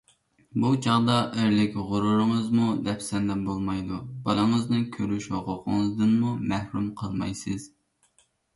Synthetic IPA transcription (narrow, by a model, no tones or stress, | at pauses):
but͡ʃʰɑʁd̪ɑʔɪɾlɪkʲʁʊɾʊɾɨŋəzmud̪ɛpsɛnd̪ɛbolˠmɑjd̪ub̥ɑlˠəŋəznɨnkʲʰøɾyʃhoqʰʊqʰəŋəzd̪ɨnmumæhɾumqʰəlˠmɑ̰jsɨz̥